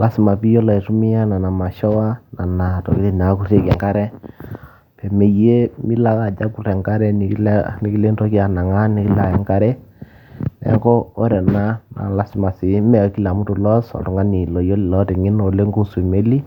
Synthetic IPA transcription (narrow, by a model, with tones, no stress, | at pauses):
lʔa˦sɪ˨ma˨pi˦jɔ˦la˨i˨tu˦mɪ˦ja˦na˨na˨ma˨ʃɔ˦wa˦na˨na˨tɔ̰˨ki˦li˦n˨a˨˦ku˦re˦kɛ˨ŋka˦ɾɛ˦ | pɛ˨me˨je˦mi˦la˦ka˨d͡ʒa˦ku˨rɛ˨ŋɡa˦ɾɛ˦n˨˦lni˨ki˦le˦ntɔ˦ki˦a˨na˨ŋa˦nɪ˨˦ki˦la˨jɛ˨˦ŋɡa˦ɾɛ˦ | nɛ̰˨˦ŋkɔ˦o˦ɾɛ˨na˦na̰˨la˦sɪ˨ma˨sɪ˨˦mɛ˨˦ki˦la˨mu˦tu˨lɔ˦sɔ̰˨tu˨ŋɡa˦ni˨lɔ˨jo˦lɪ˨lɔ˦tɛ˨ŋɪ˦no˨le˦ŋɡo˦se˨me˦li˦